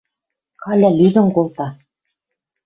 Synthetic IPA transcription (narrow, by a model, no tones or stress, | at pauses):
kɑlʲælʲyd̪ɘ̆ŋkolˠt̪ɑ